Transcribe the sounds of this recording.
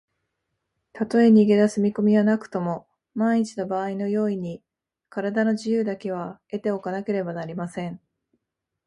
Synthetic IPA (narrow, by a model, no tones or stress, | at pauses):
t̪at̪o̞e̞ɲ̟iɡe̞d̪asɨmʲiko̞mʲiβanakɯ̟̥t̪o̞mo̞ | maiɲit͡ɕino̞baːino̞jo̞ːiɲ̟i | kaɾad̪ano̞ʑijɯːd̪ake̞β̞ae̞t̪e̞o̞kanake̞ɾe̞banaɾʲimasẽ̞ɴ